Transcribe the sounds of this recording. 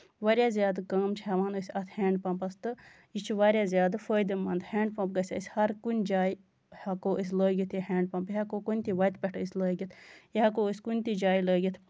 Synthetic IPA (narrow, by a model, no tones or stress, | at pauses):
ʋaɾjaːzʲjaːd̪ɨkɐːmt͡ʃʰɦɐʋaːnosʲɐt̪ʰheːɳɖpɐ̃mpɐst̪ɨ | it͡ʃʰuʋaɾʲjaːzʲjaːd̪fəːjd̪imɐnd̪hẽːɳɖpɐ̃mp̚ɡɐsʲa̰sʲhɐɾkunʲd͡ʒaːji | hɐkoʔis̬ləːɡʲit̪ʰiɦeːɳɖpɐmpɦakokunʲt̪iʋɐjt̪pʲeʈʰisʲləːɡit̪ʰiɦɐkoːisʲkunʲt̪id͡ʒaːiləːɡʲit̪ʰ